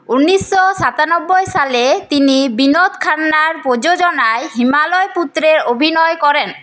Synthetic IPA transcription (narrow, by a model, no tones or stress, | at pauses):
unːisːɔsat̪anɔbːɔjsalet̪inibinot̪kʰanːaɾpɾod͡ʑod͡ʒɔnaeɦimalɔjput̪ɾeɾobʱinɔjkɔɾen